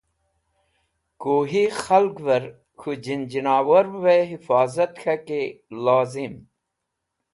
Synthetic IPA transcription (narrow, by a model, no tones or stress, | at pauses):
koːɦixɐlɡvɐɾ | xud͡ʑind͡ʑinaːwɐɾweɦifaːzɐt̪xɐkelaːzim